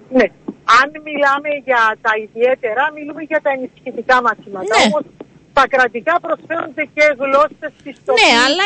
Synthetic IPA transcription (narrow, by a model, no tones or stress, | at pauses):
ne̞ɐnmilɐme̞ʝɐt̪ɐiðie̞t̪e̞ɾɐmilume̞ʝɐt̪ɐenisçit̪ikɐmɐθimɐt̪ɐomo̞s | t̪ɐkɾɐt̪ikɐpɾo̞sfe̞ɾund̪ece̞ɣlo̞sest̪ist̪ol